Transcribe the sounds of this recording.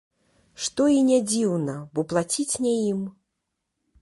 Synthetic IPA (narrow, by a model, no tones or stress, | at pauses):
ʂt̪ɔinʲɛd͡zʲiwnɐbɔplˠat͡sʲit͡sʲnʲɛjim